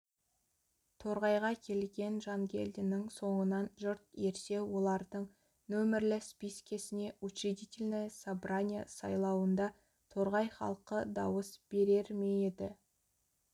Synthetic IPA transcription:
t̪ʰo̞ɾʁɑjʁɑkʲʰe̞lɡʲe̞nʒɑŋɡʲʰe̞̰ld̪ɪnɪŋso̞ɴənɑnʒʊɾt̪e̞ɾse̞wo̞lˠɑɾd̪əɴ | nɵmɪɾlɪspijskʲesɪne̞ʔut͡ʃid̪ʲit̪ʲilʲnəsabɾanʲija̰sɑ̰jlˠɑwənd̪ɑ | t̪ʰo̞ɾʁɑjχɑ̰lˠqəd̪ɑwəsb̥e̞ɾe̞ɾmejed̪ɪ

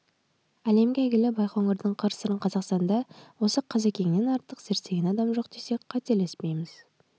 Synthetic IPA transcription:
æle̞mɡʲɪæjɡʲɪlɪbɑjqoŋəɾd̪əɴqʰɑɾsəɾəɴqʰɑzɑqst̪ɑnd̪ɑwo̞səqʰɑzekʲe̞ŋne̞nɑɾt̪əqseɾse̞ɡʲenɑd̪ɑmʒo̞q̚d̪e̞se̞qʰɑt̪elespe̞jmɪz̥

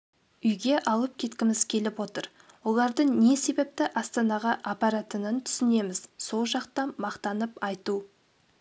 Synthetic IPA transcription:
ʏjɡʲe̞ʔɑlˠəp̚kʲʰe̞t̪kʲɪmɪzkʲʰe̞lɪpwo̞t̪əɾ | wo̞lˠɑɾd̪əɴne̞se̞be̞p̚t̪ɪʔɑst̪ɑnɑʁɑʔːpɑɾat̪ənənt̪ʰʏ̥sɪne̞mɪz̥so̞lˠʒɑqt̪ɑnmɑqt̪ɑnəpɑjt̪u

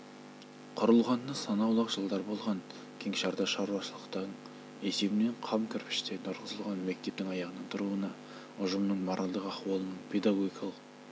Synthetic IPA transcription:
qʰʊɾəlˠʁɑnːəsɑnɑwlˠɑqʒəlˠd̪ɑɾbo̞lˠʁɑŋ | kʲʰe̞ŋʃɑɾd̪ɑʃɑɾuɑʃəlˠəqt̪ɑɴ | e̞se̞bɪneɴqʰɑmkʲʰʏɾpɪ̥ʃt̪e̞ɾnʰʊɾʁəzəlˠʁɑnme̞k̚t̪e̞p̚t̪ɪŋɑjɑʁənəɴt̪ʰʊɾuənɑ | ʊʒəmnəɴmɑɾʔɑlˠd̪əqɑχwɑlˠənəɴpʰe̞jd̪aɡoɡʲijkɑlˠəq

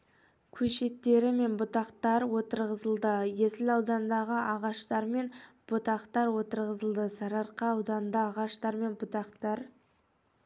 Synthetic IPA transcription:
kʲʰɵʃe̞t̪ːe̞ɾɪme̞nbʊt̪ɑqt̪ɑɾwo̞t̪əɾʁəzəlˠd̪əje̞sɪlɑwd̪ɑnd̪ɑʁəʔɑʁɑʃt̪ɑɾme̞nb̥ʊt̪ɑqt̪ɑɾwo̞t̪əɾʁəzəlˠd̪əsɑɾɑɾqɑɑwd̪ɑnd̪əɑʁɑʃt̪ɑɾme̞nbʊt̪ɑqt̪ɑɾ

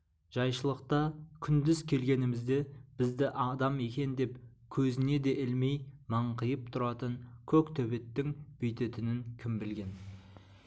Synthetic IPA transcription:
ʒ̥ɑjʃəlˠəq̚t̪ɑkʲʰʏnd̪ɪzkʲʰe̞lɡʲe̞nɪmɪzd̪e̞b̥ɪzd̪ɪʔɑd̪ɑme̞kʲe̞nd̪e̞p | kʲʰɵzɪne̞d̪e̞ʔɪlmejmɑɴqʰəjəp̚t̪ʰʊɾɑt̪əɴkʲʰɵkt̪ʰɵbe̞t̪ːɪŋb̥ʏjt̪e̞t̪ɪnɪŋkʲʰɪmbɪlɡʲe̞n

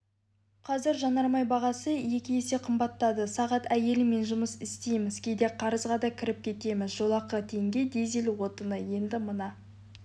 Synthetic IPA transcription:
qʰɑzɪɾʒɑnɑɾmɑjbɑʁɑsəje̞kʲɪe̞se̞qʰəmbɑt̪ːɑd̪əsɑʁɑt̪æje̞lɪme̞nʒʊməsɪst̪e̞jmɪzkʲʰe̞d̪e̞qʰɑɾəzʁɑd̪ɑkʲʰɪɾɪp̚kʲʰe̞t̪e̞mɪzʒo̞lˠɑqːət̪ʰe̞ŋɡʲe̞d̪e̞zelwo̞t̪ənəje̞nd̪ɪmənɑ

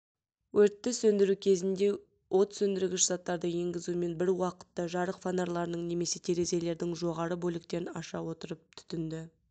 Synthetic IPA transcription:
wɵɾt̪ːɪsɵnd̪ɪɾukʲʰe̞zɪnd̪e̞ | wʔot̪sɵnd̪ɪɾɪɡʲɪʃz̥ɑt̪ːɑɾd̪əje̞ŋɡʲɪzume̞nbɪɾwɑqə̥t̪ːəʒɑɾəqfanaɾlˠɑɾənəɴne̞me̞se̞t̪ʰe̞ɾe̞ze̞le̞ɾd̪ɪŋʒo̞ʁɑɾəbolɪk̚t̪eɾɪnɑ̰ʃɑwo̞t̪əɾəp̚t̪ʰʏ̥t̪ɪnd̪ɪ

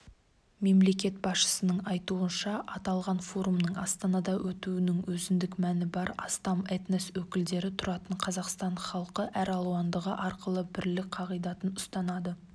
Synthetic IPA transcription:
me̞mle̞kʲe̞t̪̚bɑsʃə̥sənəɴɑjt̪uənʃɑɑt̪ɑlˠʁɑnfo̞ɾumnəɴɑst̪ɑnɑd̪ɑwɵt̪uwɪnɪŋwɵzɪnd̪ɪkmænɪbɑɾɑ̰st̪ɑmet̪neswɵkʲɪld̪e̞ɾɪt̪ʰʊɾɑt̪əɴqʰɑzɑqst̪ɑɴχɑlˠqəʔæɾɑlˠuwɑnd̪əʁəʔɑɾqəlˠəbɪɾlɪk̚qʰɑʁijd̪ɑt̪ənʊst̪ɑnɑd̪ə

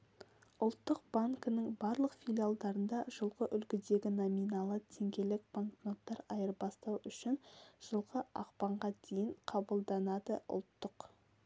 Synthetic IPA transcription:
ʊlˠt̪ːəq̚b̥aŋkənəŋbɑɾlˠəqfʲilʲijalˠd̪ɑɾənd̪ɑʒəlˠʁəʔʏlkʲɪd̪e̞ɡʲɪnominɑlˠət̪ʰe̞ŋɡʲe̞lɪk̚baŋknot̪ːɑɾɑjəɾbɑst̪ɑwʏʃɪnʒ̥əlˠʁəʔɑ̰qpɑɴʁɑd̪ejɪɴqʰɑbəlˠd̪ɑnɑd̪əʊ̰lˠt̪ːəq

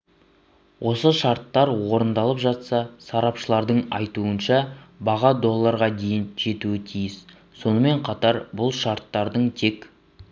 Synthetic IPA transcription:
wʔo̞səʃɑɾt̪ːɑɾwo̞ɾənd̪ɑlˠəpʒɑt̪sɑsɑɾɑpʃəlˠɑɾd̪əɴɑ̰jt̪uənʃɑbɑʁɑd̪o̞lˠːɑɾʁɑd̪e̞jɪnʒ̥e̞t̪uɪt̪ʰijɪs | so̞nəme̞ɴqʰɑt̪ɑɾbʊlˠʃɑɾt̪ːɑɾd̪əɴt̪ʰe̞k

